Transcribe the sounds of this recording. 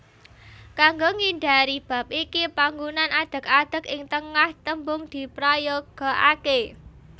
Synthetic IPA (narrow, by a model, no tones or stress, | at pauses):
kaŋɡoŋiɳɖaɾib̥a̤p̚ikipaŋɡunanʔad̪̥ə̤k̚ad̪̥ə̤kɪŋt̪əŋaht̪əmbʊŋd̪̥i̤pɾajoɡ̥ɔ̤ʔake